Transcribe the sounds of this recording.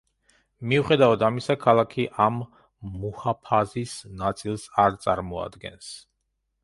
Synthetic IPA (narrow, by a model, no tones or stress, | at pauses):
miuχɛd̪avad̪amisakʰalˠakʰiʔamː | uhapʰazisnat̪sʼilˠsaɾt̪sʼaɾmɔa̰d̪ɡɛ̰ns